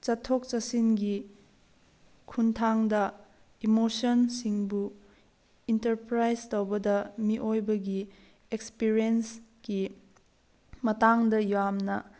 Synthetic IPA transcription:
t͡ʃɐtʰːok̚t͡ʃɐsinɡi | kʰuntʰaŋdɐ | imosɐnsiŋbu | intɐɾpɾajztowbɐdɐmiʔojbɐɡi | ekspiɾienski | mɐtaŋdɐjamnɐ

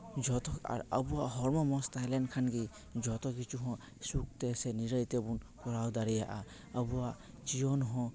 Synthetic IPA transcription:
d͡ʒɔt̪ɔka̰ɾabuwaʔɦɔɾmɔmɔst̪ajlɛnkʰanɡi | d͡ʒɔt̪ɔɡit͡ʃuɦɔ̃ | suk̚t̪ɛsɛniɾəjt̪ɛbunkɔɾawd̪aɾijaʔa | əbuwaʔ | t͡ʃijɔnɦɔ̃

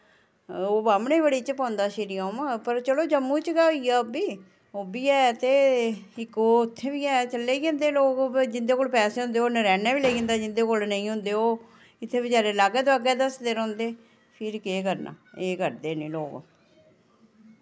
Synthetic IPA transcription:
oːbaːmneːbəɽiːt͡ʃpãːnd̪aːʃɪɾiːãːmãpəɾt͡ʃəloːd͡ʒəmːũːt͡ʃɡaːoijaːbiː | oːbiːɛːt̪eːɪkoːʊt̪ʰːeːbiːɛːt͡ʃəlːeːiɡẽːnd̪eːloːkd͡ʒɪnd̪eːkoːlpɛːseːɦʊ̃nd̪eːoːnəɾɛːnɛːʋileːiɡẽnd̪aːd͡ʒɪnd̪eːkolnəĩːɦʊ̃nd̪eːoː | ɪt̪ʰːeːbɪd͡ʒaːɾeːlaːɡːd̪aːɡɛːd̪əsd̪eːɾɔ̃ːnd̪eː | pʰɪɾkeːkəɾna̰ːeːkəɾd̪eːneːloːɡ

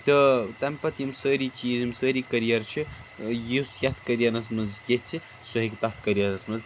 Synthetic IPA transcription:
t̪ɨt̪ɐmpɐt̪imsəːɾiːt͡ʃiːzimsəːɾiːkɐɾijɐɾt͡ʃʰijisjɐt̪ʰkɐɾjɐnɐsmɐzjett͡ʃʰi | sɐɦikʲt̪ɐt̪ʰkɐɾijɐnɐsmɐz

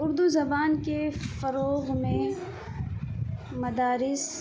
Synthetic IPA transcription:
ʊɾd̪uzɐbaːnkefɐɾoːɣmẽ | mɐd̪aːɾɪs

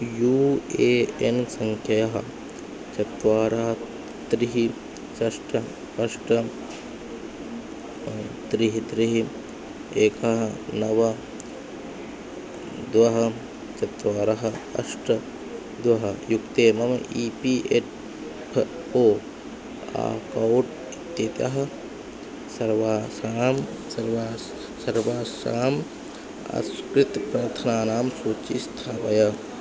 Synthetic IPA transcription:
juːeːensɐŋkʰjɐjɐɦɐ | t͡ʃɐt̪ʋaːɾɐɦɐ | t̪ɾiɦi | t͡ʃɐʂʈɐ | ɐʂʈɐ | t̪ɾiɦit̪ɾiɦi | eːkɐɦɐnɐʋɐ | d̪ʋɐɦɐ | t͡ʃɐt̪ʋaːɾɐɦɐɐ̰sʈɐ | d̪ʋɐɦɐjukt̪eːmɐmɐʔiːpiːʔeʈ̚ | pʰ | oː | a̰ːkɐwʈ | it̪jet̪jɐ̰ɦɐ | sɐɾʋasaːm | ɐɾʋa | sɐɾʋaːsaːm | ɐ̰skɾit̪pɾɐɾt̪ʰɐnaːnaːmsut͡ʃist̪ʰaːʋɐjɐ

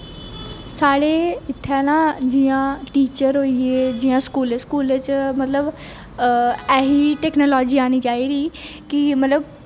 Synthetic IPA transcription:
saːɽeːɪt̪ʰːaːnãːd͡ʒɪjãːʈiːt͡ʃəɾɦoːieːd͡ʒɪjãːskuːleːskuːleːt͡ʃmət̪ləb | ɛːɦiːʈɛːknoːlɔːd͡ʒiːaːniːt͡ʃaːiːd̪iːkɪmət̪ləb

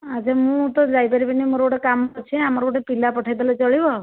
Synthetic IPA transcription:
ad͡ʒemũt̪ɔd͡ʒajpaɾipanimoɾoɔʈekamɔɾt͡ʃʰiamɔɾɔɔʈepilapɔʈʰajd̪alɔt͡ʃɔɭibɔ

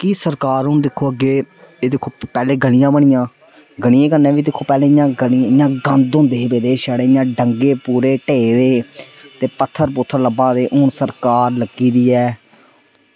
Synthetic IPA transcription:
kisəɾkaːɾɦʊnd̪ɪkʰːoːəɡeːeːd̪ɪkʰːoːpɛːleːɡəɽɪjãːbəɳ̃ɪjãː | ɡəɽ̃ɪjẽːkənẽːʋiːd̪ɪkʰːoːpɛːleːɪjãːɡənɪ̃ɪjãːɡə̃nd̪õːnd̪eːbeːd̪eːʃəːɽeːɪjãːɖəŋɡeːpuːɾeːʈeːɾeːt̪eːpət̪ʰːəɾpʊt̪ʰːəɾləbãːd̪eːʔʊːɳsəɾkaːɾləɡiːd̪iːɛː

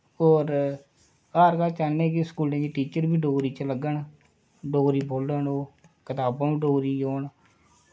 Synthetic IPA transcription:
oːɾ | aːɾkaːt͡ʃalnẽːkiskuːlẽːd͡ʒiːʈiːt͡ʃəɾbʱiːɖoːɾiːt͡ʃləɡəɳ | ɖoːɾiːboːləɳoːkɪt̪aːbãːnũːɖoːɾiːjoːɳ

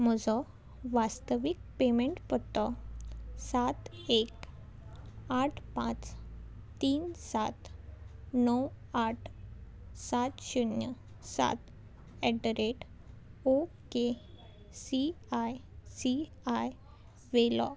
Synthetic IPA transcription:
mɔd͡zɔ | ʋast̪əʋik̚pemeɳʈpət̪ːɔ | sat̪ek | aʈʰpã̰t͡s | t̪iːnsat̪ | nɔw | aʈʰ | sat̪ɕunjə | sa̰t̪ | ɛɖəɾeʈ | o | ke | si | ajsi | aj | ʋelɔ̰

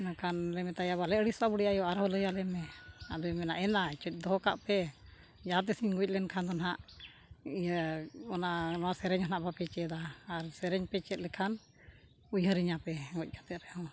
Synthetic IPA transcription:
nakʰanlɛmɛt̪ajaβalɛəɽisabuɽijajɔaɾɦɔləjalɛmɛabɛmɛnaʔɛnat͡ʃuc̚ˀd̪ɔɦɔka̰ʔpɛ | d͡ʒat̪̬ɛsiɲɡuc̚lɛnkʰand̪ɔnɦaʔ | ijaɔnanɔwasɛɾɛɲhɔnaʔbapɛt͡ʃɛd̪aːɾsɛɾɛɲpɛt͡ʃɛt̪̚lɛkʰan | ujɦəɾiɲapɛɡɔc̚ˀjat̪ɛt̪ɾɛɔ̃

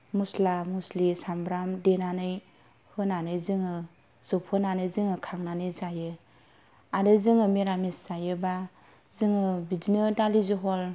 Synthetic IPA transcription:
muslamuslisambɾamdenanɯj | hɯnanɯjzɯŋɯ | z̥ɯpʰɯnanɯjzɯŋɯkʰaŋnanɯjzajɯ | adɯzɯŋɯmeɾamisz̥ajɯba | zɯŋɯbidinɯdaliziɦɔl

